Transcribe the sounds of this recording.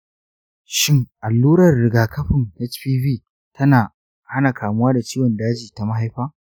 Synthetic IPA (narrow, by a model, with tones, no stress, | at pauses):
ʃɪ˦ŋʔa˨lːuː˦ɾɐ˨rːɪ˨ɡaː˨kɐ˦ɸɪ˨nɛ˦t͡ʃɸiː˦ɸiː˦ | tʰɐ˦naː˨ | ha˦na˨kʰaː˨mʊ˦waː˦da˨t͡ʃiː˦wɔ˨ndaː˦d͡ʒiː˨ta˨ma˦ɦa˦jɸaː˦